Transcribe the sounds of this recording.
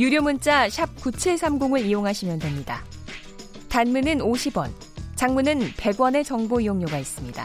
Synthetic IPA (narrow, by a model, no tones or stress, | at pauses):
juɾjomunt͡ɕ͈aɕʰap̚kut͡ɕʰiɭsʰamɡoŋɯɭijoŋɦaɕʰimjʌndwemɲida̰ | tanmunɯnoɕʰibwʌn | t͡ɕaŋmunɯnpe̞ɡwʌne̞t͡ɕʌŋboijoŋɲoɡais͈ɯmɲida̰